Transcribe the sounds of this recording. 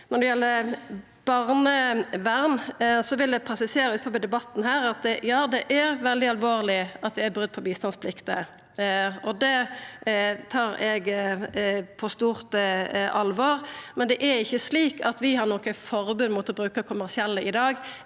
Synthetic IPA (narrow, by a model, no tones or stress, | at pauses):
nɔɾd̪ɛjɛlːə | b̥ɑʁnəʋæɾnsɔʋɪld̪ɛpʰɾɛsɪseːɾəʉːt̪fɔbɛd̪ɛbɑt̪ːn̩hæːɾɑt̪ɛjɑːd̪ɛʔæɾʋɛld̪ɪɑlʋoːʁlɪɑt̪̚d̪ɛæbʁʉd̪̚ːpʰɔbiːst̪ɑnspʰlɪkt̪ə | ɔd̪ɛ | t̪ʰɑːɾɛɡ | pʰɔst̪uːʁt̪əʔɑlʋɑːɾmɛnd̪ɛʔæɾɪçːəsliːkɑt̪ʋɪhɑɾnɔkəfɔɾbʉnːmʊt̪ɔbɾʉːkəkʰʊmæʁsɪɛlːəʔɪd̪ɑːɡ